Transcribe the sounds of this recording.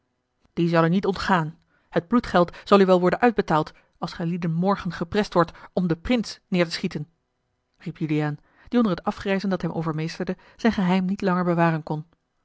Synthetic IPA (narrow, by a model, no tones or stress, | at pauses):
d̥izɑlənitɔntχaːn | həd̚blutχɛlˠtz̥ɑlˠyʋɛlˠʋɔɹdənʔœɥd̚bətaːlˠt | ɑlˠsχɛjlidənmɔɹχənχəprɛstʋɔɹtɔmdəprɪnsnɪːɹtəsχitən | ripjyliaːn | d̥iɔndəɹɦətɑfχrɛjzəndɑtɦɛmʔo̰wvəɹmejstəɹdə | z̥ɛjnχəɦɛjmnitlɑŋəɹbəʋaːrənkɔn